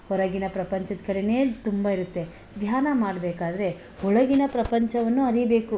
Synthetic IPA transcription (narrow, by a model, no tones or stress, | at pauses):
hɔɾɐɡinɐpɾɐpɐɲt͡ʃɐd̪kɐɽeneːt̪umbɐiɾut̪ːe̞ | d̪ʱjaːnɐmaːɖbeːkaːd̪ɐɾe̞ | hɔɭɐɡinɐpɾɐpɐɲt͡ʃɐʋɐnːuɐɾibe̞ːku